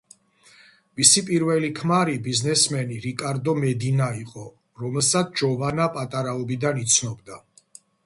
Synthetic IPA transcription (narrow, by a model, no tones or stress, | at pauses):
misipʼiɾvɛlikʰmaɾibiznɛsmɛniɾikʼaɾd̪ɔmɛd̪inaiqʼɔ | ɾɔmɛlˠsat̪sʰd͡ʒɔvanapʼat̪ʼaɾaɔbid̪anit̪sʰnɔbd̪a